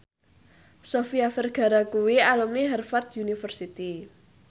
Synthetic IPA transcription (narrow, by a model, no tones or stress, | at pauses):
sofiafɛrɡ̥a̤ɾakuwialumniɦɛrfart̪̚junifərsit̪i